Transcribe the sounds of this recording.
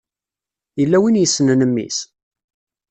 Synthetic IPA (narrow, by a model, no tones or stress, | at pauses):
jəlːæwinjəsːnənəmːḭs